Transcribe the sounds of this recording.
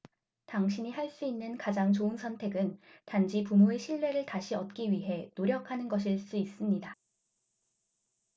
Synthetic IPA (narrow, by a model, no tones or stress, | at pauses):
taŋɕʰiɲihaɭs͈uinːɯnkad͡ʑaŋt͡ɕoɯnsʰʌntʰe̞ɡɯntand͡ʑipumoe̞ɕʰiɭːe̞ɾɯɭtaɕʰiʌt̚k͈iɥiɦe̞noɾjʌkʰanɯnɡʌɕ̬ʰiɭs͈uis͈ɯmɲida